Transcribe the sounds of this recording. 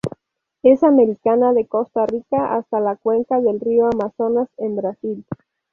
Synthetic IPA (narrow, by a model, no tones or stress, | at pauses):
e̞same̞ɾikanaðe̞ko̞st̪arikaʔa̰st̪alakwe̞ŋkaðe̞lrioamaso̞nasembɾasil